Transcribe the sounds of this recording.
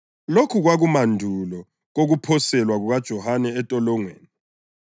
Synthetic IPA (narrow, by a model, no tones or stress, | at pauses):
lokʰuɣwaɣumandʱulɔ | ɣoɣupʰɔsɛlwaɣuɣad̥ʒ̥ʱɔhanɛːtʼɔlɔŋwḛːni